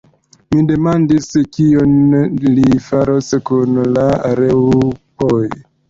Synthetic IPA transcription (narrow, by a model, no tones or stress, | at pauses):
mide̞mandiskionlifaɾoskunlaɾewpoj